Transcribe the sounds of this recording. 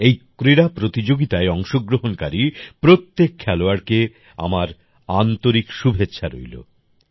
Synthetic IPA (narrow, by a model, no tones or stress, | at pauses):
ejkɾiɾapɾot̪id͡ʑoɡit̪aeɔŋʃoɡɾoɦonkaɾipɾot̪ːekʰːɛloaɾke | a̰maɾ | ant̪oɾikʃubʱetːɕʰaɾo̰jlo̰